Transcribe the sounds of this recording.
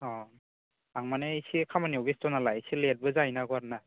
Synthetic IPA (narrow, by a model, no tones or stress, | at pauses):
ɔ | aŋmanɛisikʰamanibistɔnalajisilɛt̚bɯzajnaɡɔaɾna